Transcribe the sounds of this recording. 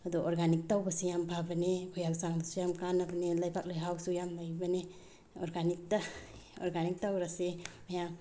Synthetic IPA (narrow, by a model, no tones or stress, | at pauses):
adɔʔɔɾɡanik̚tawbasijambʱabaneɡʰujaksaŋdusujamkanabanelajbak̚lajɦawsujamlajbane | ɔɾɡanik̚taɔɾɡanik̚tawɾasemajam